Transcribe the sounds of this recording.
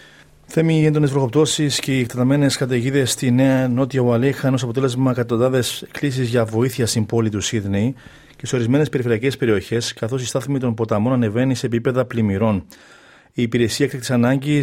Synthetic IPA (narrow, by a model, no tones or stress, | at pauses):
θe̞miend̪o̞ne̞zvɾo̞ɣo̞p̚t̪o̞sisce̞ikt̪et̪ɐme̞ne̞skɐt̪̬eʝiðe̞sːt̪ine̞ɐno̞t̪iɐvɐlixɐnos̬ɐpot̪ele̞zmɐekɐt̪ond̪ɐðe̞sklis̬izʝɐvo̞iθiɐst̪impo̞lit̪usiðne̞j | ce̞seoɾizme̞ne̞spe̞ɾifeɾiɐcespe̞ɾio̞çe̞skɐθo̞sist̪ɐθmit̪o̞mpo̞t̪ɐmo̞nɐne̞ve̞nise̞ːpipe̞ðɐplimiɾo̞n | iːpiɾe̞siɐkt̪ɐkt̪isɐnɐɲɟi